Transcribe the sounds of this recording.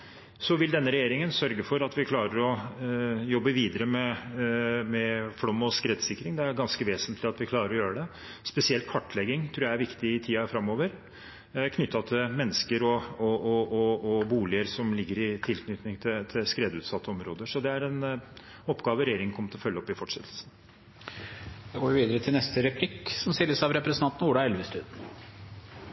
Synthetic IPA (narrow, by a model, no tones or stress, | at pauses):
sɔʋɪld̪ɛnːəɾɛjeːɾɪŋənsœɾɡəfɔɾɑt̪ʋɪkʰlɑːɾəɾɔ | jɔbːəʋiːd̪əɾəmɛ | mɛfɽɔmːɔskɾɛːd̪sɪkːɾɪŋd̪ɛæɾɡɑnskəʋeːsənt̪lɪɑt̪ʋɪkʰlɑːɾəɾɔjøːɾəɖ̪ɛ | spɛsɪɛlt̪̚kʰɑʈːlɛɡːɪŋt̪ʰɾuːjæɪæɾʋɪkt̪ɪɪt̪ʰiːɑfɾɑmːoːʋəɾ | kʰnʏt̪ːɑt̪ʰɪlmɛnːəskəɾɔɔɔɔbuːlɪəɾsɔmlɪɡːəɾɪt̪ʰɪlknʏt̪nɪŋt̪ʰɪt̪ʰɪlskɾeːd̪ʉːt̪sɑt̪ʰːəɔmɾoːd̪əʂɔd̪ɛæɾɛn | ɔpːɡɑːʋəɾɛjeːɾɪŋnkʰɔmːət̪ɪlɔfœlːəɔpːɪfɔʈʂɛt̪ʰl̩sn | d̪ɛɡoːʋɪʋiːd̪əɾət̪ʰɪlnɛst̪əɾɛpʰlɪkːsɔmst̪ɪlːəsɑʋɾɛpɾɛsənʰɑnt̪n̩uːɖ̪ɑɛlʋəst̪ʉːd̪